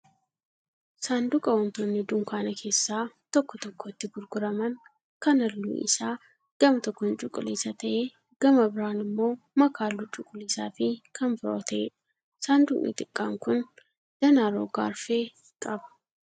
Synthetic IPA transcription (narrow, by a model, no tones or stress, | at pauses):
saːnd̪ʊkʼɐwɐnt̪oːnːɪd̪ʊŋkaːnɐkʰe̞ːsːaːt̪ɔkːɔt̪ɔkːoɪt̪ːɪɡʊɾɡʊɾɐmɐn | kɐnɐlːṵːʔɪ̰saː | ɡ̥ɐmɐt̪ɔkːɔnt͡ʃʼʊkʼːʊliːsɐt̪ɐʔeː | ɡ̥ɐmɐbɪɾaːnɪmːo̞ː | mɐkʰaːlːut͡ʃʼʊkʼːʊliːsaːfɪkʰɐnbɪɾoːt̪ɐʔeːᶑ | saːnd̪ʊʔʔḭːt̪ʼɪkʼːaːŋkʊn | d̪̥ɐnaːɾo̰ːɡa̰ːɾfeː | kʼɐbɐ̥